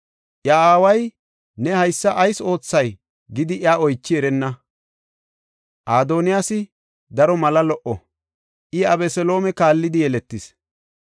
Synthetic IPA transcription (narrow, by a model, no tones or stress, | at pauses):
ʔjaaːwɐj | nɛhɐjsːɐʔɐjso̞ːt͡sːɐj | ɡɪd̪ɪʔjaːɔjt͡ʃːɪɛɾɛnːɐ | ʔaːd̪o̞ːnɪjaːsɪ | d̪ɐɾɔmɐlɐlɔʔɔ | ʔɪɐbɛsɛlo̞ːmɛkaːlːɪd̪ɪjɛlɛt̪ːɪs